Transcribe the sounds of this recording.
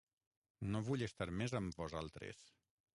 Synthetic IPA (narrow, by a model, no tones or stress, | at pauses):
noβuʎest̪aɾmezəmbɔzalˠt̪ɾḛs